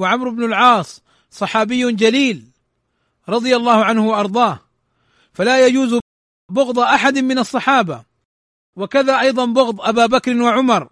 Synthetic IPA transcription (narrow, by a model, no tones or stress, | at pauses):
waʕamɾʊbnʊlʕɑːsˤ | sˤɑħɑːbɪjːʊnd͡ʒaliːl | ɾˤɑd̪ˤɨjalˤːɑːhʊʕanhʊwʔɑɾˤd̪ˤɑːh | falaːjad͡ʒuːz | bʊɣd̪ˤɑʔaħad̪mɪnɑsˤːɑħɑːba | wakaðaːʔɑjðˤɑnbʊɣd̪ˤʔabaːbakɾɪnwaʕʊmɑɾˤ